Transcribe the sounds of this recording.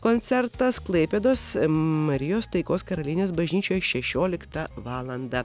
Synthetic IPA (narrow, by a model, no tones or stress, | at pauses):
koːnʲt̪sʲɛɾt̪ɐsklˠɐɪpʲed̪oːsmɐɾʲɪjoːst̪ɐɪkoːskɐɾɐlʲiːnʲeːsbɐʒʲnʲiːt͡ʃʲoːjɛʃʲɛʃʲoːlʲɪkt̪ɐʋɑːlˠɐnd̪ɐ